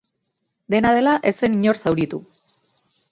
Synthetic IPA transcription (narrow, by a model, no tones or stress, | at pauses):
d̪e̞nað̞e̞laʔe̞se̞niɲo̞rsawɾit̪u